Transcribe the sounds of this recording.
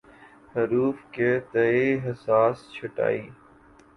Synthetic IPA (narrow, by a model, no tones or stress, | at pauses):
həɾuːfkeːt̪əeːɦəsaːst͡ʃʰəʈa̰ːiː